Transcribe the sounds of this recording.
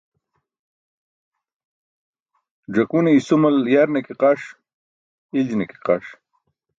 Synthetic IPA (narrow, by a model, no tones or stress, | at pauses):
ɖ͡ʐɐkuneisumɐljaɾnekiqaʂ | ild͡ʑineki̥qa̰ʂ